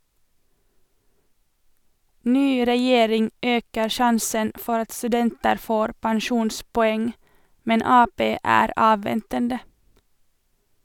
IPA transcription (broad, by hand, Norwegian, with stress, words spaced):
ˈnyː ɾɛˈjeːɾɪŋ ˈøːkəɾ ˈʃɑnsən ˈfɔɾ ˈɑt stʉˈdɛntəɾ ˈfoːɾ pænˈʃuːnspɔˌɛŋ ˈmɛn ˈɑːˌpeː ˈæːɾ ˈɑːʋʋɛntəndə